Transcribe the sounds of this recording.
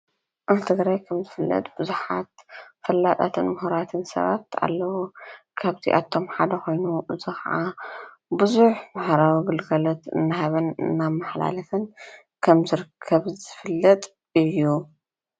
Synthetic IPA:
ʔaβt̪ʰɨɡɾajkʰɐmzɨfɨlːɐ̰t̪ʼb̥ɨzuħat̪fɐlːat̪ʼa̰t̪ʰɨnmuɦuɾat̪ʰɨnsɐ̰βat̪a̰lːɐwukʰaβt̪ʰḭʔa̰t̪ʰːo̞mħad̪ɐxo̞jnuʔɨzixaʔa | bɨzuħbaħɾawiɡɨlɡɐlot̪ɨ̰nːaɦaβɐnɨ̰nːamːaħla̰lɐfɐn | kʰɐmzɨɾɨkʰːɐβzɨfɨlːɐt̪ʼ | ɨjːu

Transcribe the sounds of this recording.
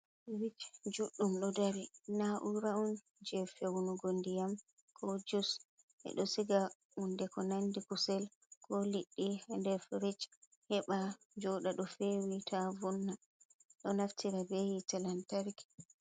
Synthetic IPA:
ɾit͡ʃd͡ʒuɗːumɗɔdaɾinaʔuɾaun | d͡ʒɛfewunuɡondijam | kʰɔd͡ʒus | ʔɛ̰ɗɔsiɡa | undɛkɔnandikusɛl | kɔliɗːiɛndɛfɾit͡ʃ | hɛɓa | d͡ʒɔɗaɗɔfewitʰavunːa | ɗɔnaftʰiɾabejitɛlantaɾik

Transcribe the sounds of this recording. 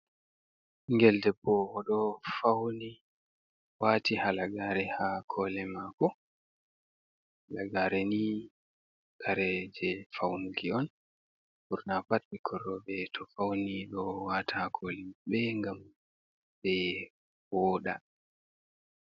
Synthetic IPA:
ŋɡɛldɛbɔwɔɗɔfawni | waːtihalaɡaːɾɛhakʰɔlɛmakɔ | laɡaɾɛni | kʰaɾɛd͡ʒɛfawnuɡiɔn | buɾnapat̚bikʰɔɾɔbɛtʰɔfawniɗɔwaːtahakʰɔliɓɛŋɡam | bɛ | wɔːɗa̰

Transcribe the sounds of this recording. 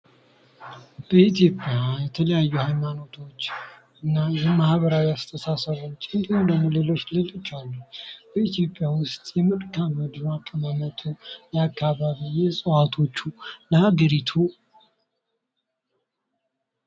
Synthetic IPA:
b̥əit̪ʰjo̞pʼjajɛt̪ʰələjajːuhajmano̞t̪ʰo̞t͡ʃːʔɨnːajɛmahβəɾawiast̪ʰəsasəβunt͡ʃʼɪnɡ̪lənule̞lo̞t͡ʃːlɨlɨt͡ʃːalːub̥əit̪ʰjo̞pʼjawʊst̪ʼjɛmɨɾkʰaməd̪akʼːəmamət̪ʰujɛakːaβaβijɛsʼəwat̪ʰo̞t͡ʃːuləhaɡəɾit̪ʰu

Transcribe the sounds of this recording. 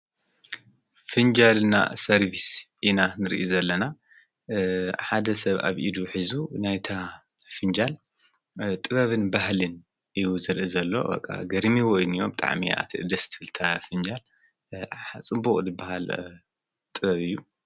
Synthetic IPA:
fɨnd͡ʒalna̰sɐɾbisʔinanɨɾʔizɐlːɐna | ħad̪ɐsɐβa̰βʔid̪uħizunajt̪ʰa | fɨnd͡ʒal | t̪ʼɨβɐβɨnbahlɨn | ʔɨjuzɨɾʔizɐlːo̞̰bɐ̰kʼːa̰ɡɐɾmiwɔjnijobɨt̪ʼa̰ʕmḭa̰t̪ʰiʔɨd̪ɐst̪ʰfɨlt̪ʰafɨnd͡ʒal | at͡sʼɨbukʼzɨbːahal | t̪ʼɨβɐβɨjːu

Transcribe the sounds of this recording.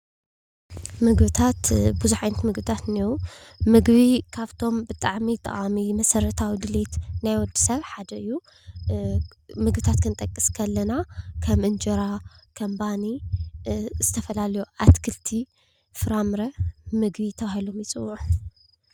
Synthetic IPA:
mɨɡbɨt̪ʰat̪buzuħajnɐt̪mɨɡbɨt̪ʰat̪niɾumɨɡβikʰaβt̪ʰo̞mbɨt̪ʼaʕmit̪ʼɨ̰χʼamimɐsɐɾɐt̪ʰawid̪ɨlet̪najwɔd̪i̥sɐβħad̪ɐɨjːu | mɨɡbɨt̪ʰat̪kʰɨnt̪ʼɐkʼːiskʰɐlːɐnakʰɐmʔɨnd͡ʒɐɾakʰɐmbani | z̥ɨt̪ʰɐfɐlalɐjuʔat̪kʰɨlt̪ʰi | fɨɾamɾɐmɨɡbit̪ʰɐβahilomjɪt͡sʼɨwːʕu

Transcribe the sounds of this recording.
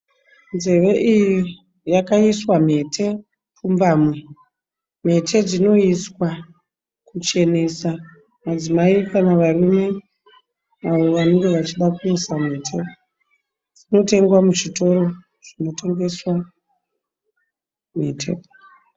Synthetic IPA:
nze̞ʋe̞ʔiji | jakaiswam̤e̞tʰe̞ | pumbaːmwe̞ | m̤e̞tʰe̞d͡zino̞iswa | kut͡ʃe̞ne̞sa | mad͡zimaikanaʋarume̞ | aʋo̞ʋane̞ŋɡe̞ʋat͡ʃiɗakuisame̞ːtʰe | d͡zino̞te̞ŋɡwamut͡ʃito̞ro̞ | ʐ̥ino̞te̞ŋɡe̞swa | metʰe̞̰

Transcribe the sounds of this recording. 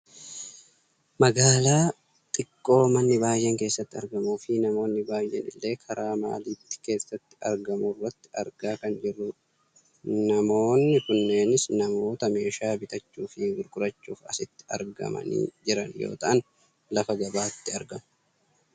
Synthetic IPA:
mɐɡaːlaː | t̪ʼɪkʼːo̞ːmɐnːɪbaːjːɛŋke̞ːsːɐt̪ːɪɐɾɡɐmuːfɪnɐmo̞ːnːɪbaːjːɛnɪ̰lːe̞ːkʰɐɾaːma̰ːliːt̪ːɪ̥ke̞ːsːɐt̪ːɪ̥ɐ̰ɾɡɐmurːɐt̪ːɪ̥ɐɾɡaːkɐnd͡ʒɪrːʊ | nɐmo̞ːnːɪkʊnːe̞ːnɪsnɐmo̞ːt̪ɐme̞ːʃaːbɪt̪ɐt͡ʃːuːfɪɡʊɾkʼʊɾɐt͡ʃːuːfɐ̰sɪt̪ːɪ̥ʔɐ̰ɾɡɐ̰mɐ̰nḭːd͡ʒɪɾɐnjo̰ːt̪ɐʔɐn | lɐfɐɡɐbaːt̪ːɪɐɾɡɐmʊ

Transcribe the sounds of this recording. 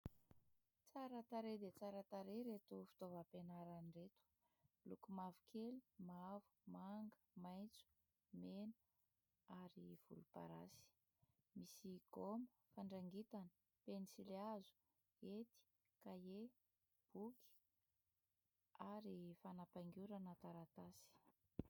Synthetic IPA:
t͡saɾət̪aɾed̪et͡saɾat̪aɾeɾet̪ufi̥t̪ovəpenaɾaniret̪u̥ | lukumavukʰeli̥mavu̥maŋɡəmajnt͡su̥ | menə | aɾiv̥ṵlupa̰ɾasi̥ | misiɡ̥oməfaɳɖ͡ʐaŋɡit̪anə̥ | penisileazu̥ | et̪i̥ | kaje | b̥uki̥ | aɾifanapaŋɡʲuɾanət̪aɾat̪asi̥

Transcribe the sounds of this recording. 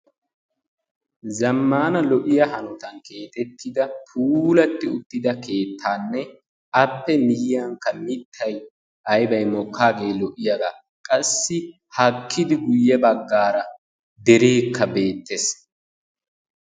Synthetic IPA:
zɐmːaːnɐlɔʔɪjɐɦɐnʊt̪ɐnke̞ːt̪ɛt̪ʰːɪd̪ɐpʰuːlɐt̪ːɪʊt̪ːɪd̪ɐkʰe̞ːt̪ʰːaːnːɛ | ɐpːɛnɪjɪjɐŋkːɐmɪt̪ʰːɐj | ɐjbɐjmɔkʰːaːɡe̞ːlɔʔɪjɐɡɐ | kʼɐsːɪ | hɐkʰːɪd̪ɪɡʊjːɛbɐɡːaːɾɐ | d̪ɛɾe̞ːkʰːɐbe̞ːt̪ːɛs

